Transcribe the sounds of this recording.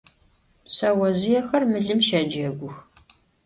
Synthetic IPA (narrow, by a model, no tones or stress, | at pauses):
sɐwɐzɪjɛxɐrmɨɮɨmʃɐd͡ʒɐɡʷʊx